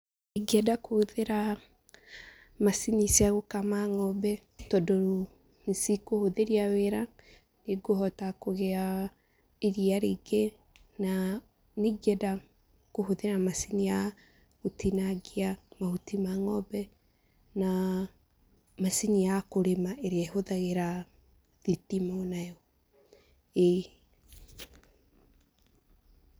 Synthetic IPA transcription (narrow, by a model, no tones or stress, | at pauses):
neɡiɛdakoðeɾa | masinisiaɣokamaŋɔbɛ | tɔdoɾo | nisikohoðeɾiaweɾa | neɡohɔtakoɣea | eɾiaɾiɡe | na | neɡiɛda | ɡ̥ohoðeɾamasinija | utinaɡiamahutimaŋɔbɛ | na | masinijakoɾemaeɾeahoðaɣeɾa | ðitimaonajɔ | e